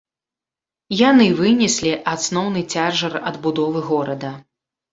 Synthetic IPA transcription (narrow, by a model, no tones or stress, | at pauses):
janɨvɨnʲɛsʲlʲiʔat̪snɔwnɨt͡sʲaʐɐrɐd̪bud̪ɔvɨɣɔɾɐd̪ɐ